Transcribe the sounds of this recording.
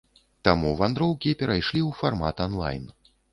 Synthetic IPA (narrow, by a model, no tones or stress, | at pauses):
t̪amuvand̪ɾɔwkʲipʲɛɾʔajʂlʲiuwfarma̰t̪anlˠa̰jn